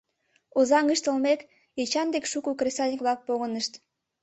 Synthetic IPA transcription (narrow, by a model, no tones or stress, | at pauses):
ozɑŋɡəʃt̪əlmek | et͡ɕɑnd̪ekʃukukresɑnʲikβlɑk̚poɣənəʃt̪